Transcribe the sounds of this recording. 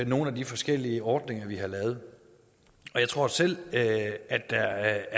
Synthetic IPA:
no̝ːn̩æd̥ifɒ̽sɡ̥el̰iəɒːd̥ne̝ŋɐʋihɑ̈lɛːʊð̞̩ˠ | ɒ̽jaɪt͡sʰʁo̝ɐ̰sel̰ | æd̥ːæ

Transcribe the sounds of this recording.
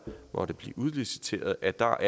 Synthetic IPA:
mʔɒ̽ɾ̥əb̥lḭːʔuð̞ˠlisi̥t͡sʰe̝̰ːɐð̞̩ˠæd̥ɑ̈ʔæ

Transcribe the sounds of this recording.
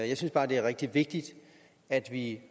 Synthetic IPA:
jɑ̈ɪsynsb̥ɑ̈ːd̥e̝æɐʁɛɡ̥̚d̥iʋe̝ɡ̥̚d̥id̥ | æd̥ʋi

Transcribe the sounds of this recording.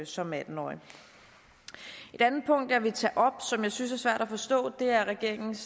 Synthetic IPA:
sɒ̽mæd̥n̩ɒ̰ | e̝d̥ænð̩ˠpʰɔ̽ŋ̰d̥aɐʋe̝t͡sʰɛʔɒ̽b̥sɒ̽mjɑ̈ɪsynsæɐsʋæɐ̰ɾ̥æfɒ̽sd̥ɔ̰̽ːd̥e̝æɐʁɛɡ̥e̝ɐeŋn̩s

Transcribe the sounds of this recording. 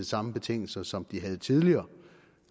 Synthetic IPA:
sɑ̈məb̥e̝t͡sʰe̝ŋ̰l̩sɐsɒ̽md̥iɦæð̞̩ˠt͡sʰið̞ˠliɐː

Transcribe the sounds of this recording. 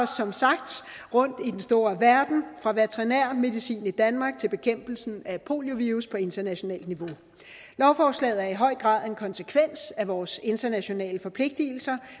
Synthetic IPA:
ɒsːɒ̽msɑ̈ɡ̥d̥ | ʁɔ̽n̰d̥id̥ensd̥o̝ːɐʋæɐd̥n̩fʁɑ̈ʋet͡sʰʁinæɐ̰me̝ðˠisḭːnid̥ænmɑ̈ːɡ̥̚t͡sʰe̝lb̥e̝kʰem̰b̥l̩sn̩æpʰo̝̰ːljo̝ʋiːʁuspʰɒ̽e̝nd̥ɐnæɕo̝nɛ̰ːld̥niʋo̝ | lɒʊfɒːslɛ̰ːð̩ˠæɐiɦɒ̽ɪ̰ɡ̥ʁɑ̰̈ːð̰ˠe̝nkʰɒ̽nsəkʰʋen̰sæʋɒːse̝nd̥ɐnæɕo̝nɛ̰ːləfɒ̽pʰle̝ɡ̥̚d̥il̩sɐ

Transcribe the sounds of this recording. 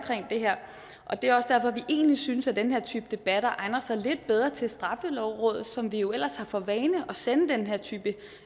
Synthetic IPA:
kʰʁeŋ̰d̥e̝ɦeɐ̰ | ʔɒ̽d̥e̝æɒ̽sd̥æɐ̰fɒ̽ʋiʔe̝̰ːnlisyːnəsæd̥enɦeɐ̰t͡sʰyːb̥əd̥e̝b̥æɾ̥ɐʔɑ̈ɪnɐsɑ̈ɪle̝d̥̚b̥eð̞ˠʁɐt͡sʰe̝lsd̥ʁɑ̈fəlɒʊʁɔ̽ːðˠð̩ˠsɒ̽mʋijo̝el̰ɐshɑ̈fɒ̽ʋɛːnəʔɒ̽senð̩ˠd̥enɦeɐ̰t͡sʰy̰ːb̥ə

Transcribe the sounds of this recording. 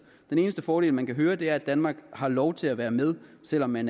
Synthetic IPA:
d̥ene̝ːnəsd̥əfɒːɾ̥e̝ːlmænkʰæɦøːɐd̥e̝æɐæd̥ænmɑ̈ːɡ̥hɑ̈lɒʊt͡sʰe̝læʋæːɐmeð̞ˠsel̰ɒ̽mːæn

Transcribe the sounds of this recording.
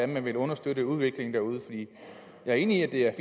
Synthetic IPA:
æmænʋelɔ̽nɐsd̥øɾəuð̞ˠʋe̝ɡ̥le̝ŋn̩d̥æɐuð̞ˠəfɒ̽d̥ḭː | jɑ̈ɪæɐe̝ːniiæd̥e̝æɐfi

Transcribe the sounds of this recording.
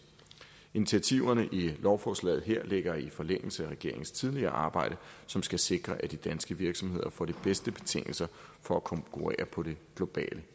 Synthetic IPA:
init͡sʰiæt͡sʰiʊɐnəʔilɒʊfɒːslɛ̰ːð̩ˠɦeɐ̰le̝ɡ̥ɐifɒ̽leŋ̰l̩səæʁɛɡ̥e̝ɐe̝ŋn̩st͡sʰið̞ˠliɐːʔɑ̈ːb̥ɑ̈ɪ̰ɾ̥əsɒ̽msɡ̥æse̝ɡ̥ʁɐʔæd̥id̥ænsɡ̥əʋiɐɡ̥sɒ̽mhe̝ð̞̰ˠɐfɒ̰ːd̥ib̥esd̥əb̥e̝̥t͡sʰe̝ŋ̰l̩sɐfɒ̽ækʰɒ̽ŋkʰuʁɛ̰ːɐpʰɒ̽ɾ̥e̝ɡ̥lo̝b̥ɛ̰ːlə

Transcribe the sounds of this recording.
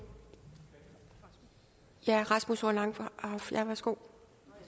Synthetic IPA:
jæʁɑsmusolɑ̈ŋ̰ffjæʋæsɡ̥o̝̰ː

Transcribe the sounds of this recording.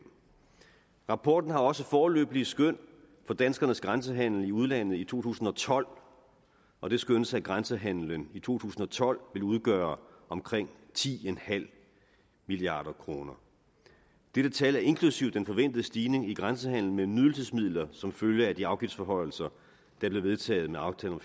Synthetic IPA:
ʁɑ̈pʰɒːd̥n̩ɦɑ̈ɒ̽səfɒːlø̰ːb̥liəsɡ̥øn̰ | fɒ̽d̥ænsɡ̥ɐnəsɡ̥ʁansəɦæn̰l̩iuð̞ˠlæn̰ð̩ˠit͡sʰo̝̰ːt͡sʰṵːsn̩ɒ̽t͡sʰɒ̽l̰ | ʔɒ̽d̥e̝sɡ̥ønəsæɡ̥ʁansəɦæn̰lənit͡sʰo̝̰ːt͡sʰṵːsn̩ɒ̽t͡sʰɒ̽l̰ʋe̝luð̞ˠɡ̥œːɐʔɒ̽mkʰʁeŋ̰t͡sʰḭːenhæl̰ | miliɑ̰̈ːɾ̥ɐkʰʁo̝ːnɐ | d̥eɾ̥ət͡sʰɛlæɐe̝nkʰlusiʊd̥enfɒ̽ʋen̰d̥ð̩ˠəsd̥iːne̝ŋiɡ̥ʁansəɦæn̰l̩memyðˠl̩sesmið̞̰ˠlɐsɒ̽mføljəæd̥iɑ̈ʊɡ̥ifd̥sfɒ̽ɦɒ̽ɪ̰l̩sɐ | d̥ɑb̥le̝ʋe̝ð̞ˠt͡sʰɛ̰ːð̩ˠmeɑ̈ʊt͡sʰɛ̰ːlɒ̽m

